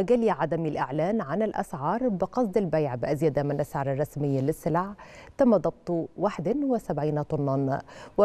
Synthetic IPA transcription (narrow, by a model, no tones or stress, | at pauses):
ɡaliʕad̪amilʔɪ̰ʕlæːnʕanɪlʔa̰sʕɑːɾˤbɪqɑsˤd̪ˤɪlbajʕbɪʔazjad̪amɪnlʔasʕɑːɾˤɑrˤːɑsmɪjːalɪsːɪlʕt̪amːad̪ˤɑb̚t̪ˤwaħd̪anwɪsabʕiːnat̪ˤʊnːɑnwɪ